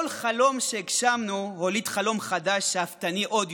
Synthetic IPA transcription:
lχalo̞mʃeikʃamnuholid̪χalo̞mχad̪aʃaft̪aniʔod̪

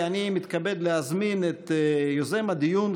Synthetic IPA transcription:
animit̪kabed̪leazminet̪jozemad̪ijun

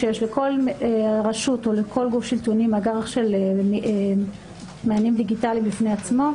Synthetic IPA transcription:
ejeʃleko̞leʁaʃuto̞lekʰo̞lɡufʃilt̪unimaɡaʁaχʃelm | meanimd̪iɡitalimlifneat͡smo̞

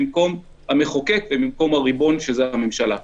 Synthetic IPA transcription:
mko̞m | hame̞χo̞kekvemimko̞maʁibo̞nʃe̞zeame̞mʃala

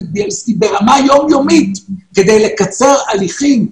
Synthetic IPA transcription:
bielskibeʁamajo̞mjomitked̪ejle̞kat͡se̞ʁaliχim

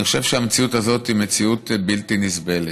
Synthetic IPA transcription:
iχoʃe̞vʃeamet͡siutazo̞thimet͡siutbiltinisbele

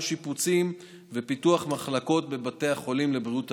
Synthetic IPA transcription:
ʃiput͡sim | vepituaχmaχlako̞t̚be̞bate̞jaχo̞limle̞bʁiut

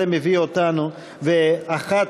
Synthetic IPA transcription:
emeviot̪anu | veaχat

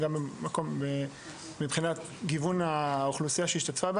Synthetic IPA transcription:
ɡambemako̞mbeː | ibχinat̪ | ɡivunaoχlusijaʃeiʃt̪atfabe

